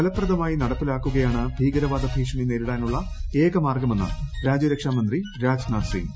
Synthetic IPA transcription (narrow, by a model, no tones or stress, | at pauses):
kɐlɐpːrɐðɐmaːjinɐɽɐpːilaːkːuɣɐjaːɳɨbʱiːɡɐɾɐʋaːd̪ɐbʱiːʂɐminːeːɾuɽaːnuɭːɐeːkɐmaːrɡɐmenːɨ̰ɾaːd͡ʑɐɾekʂaːmɐnd̪riɾaːd͡ʑnaːsḭːm